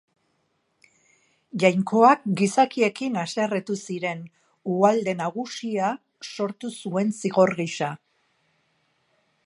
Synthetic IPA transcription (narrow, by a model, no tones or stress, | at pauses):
ʝajŋko̞ak̚ɡisakie̞kinaseret̪usiɾe̞n | uald̪e̞naɣ̞usia | so̞ɾt̪usue̞nsiɣo̞ɾɣiʃa